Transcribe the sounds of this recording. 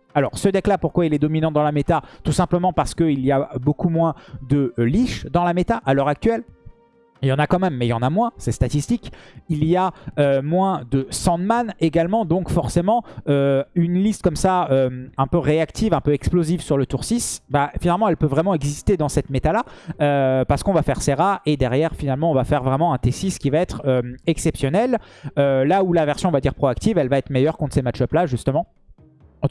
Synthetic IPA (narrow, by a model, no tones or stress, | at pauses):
alɔʁsəd̪ɛklapuʁkwailɛd̪ɔminɑ̃t̪d̪ɑ̃lamet̪at̪usɛ̃pləmɑ̃paʁsə̥kəilijabokumwɛ̃d̪əliʃd̪ɑ̃lamet̪aʔalœʁak̚t̪ɥɛl | ljɑ̃nakɑ̃mɛmːɛjɑ̃namwɛ̃sɛst̪at̪ist̪ikilijaømwɛ̃d̪əsɑ̃t̪maneɡalmɑ̃d̪ɔ̃kfɔʁsemɑ̃øynlist̪̚kɔmsaømɛ̃pøʁeakt̪ivɛ̃pøɛksplozivsyʁlət̪uʁsisbafinalmɑ̃ɛlpøvʁɛmɑ̃ɛɡzist̪ed̪ɑ̃sɛt̪met̪alaøpaʁsə̥kɔ̃vafɛʁseʁaʔed̪ɛʁjɛʁfinalmɑ̃ɔ̃vafɛʁvʁɛmɑ̃ɛ̃t̪esiskʲivaɛt̪χømɛksɛpsjɔnɛlølaulavɛʁsjɔ̃ɔvad̪iʁpχɔakt̪ivɛlvaɛt̪χmejœʁkɔ̃t̪χsemat͡ʃʃɔplaʒyst̪əmɑ̃